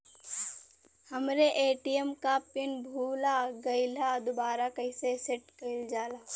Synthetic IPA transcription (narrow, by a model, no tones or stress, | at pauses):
hɐmɾeʔeːʈijəmkapɪnbʱuːlaɡɐɪlad̪ʊbaːɾakɐɪseseʈkɐɪld͡ʒaːlaː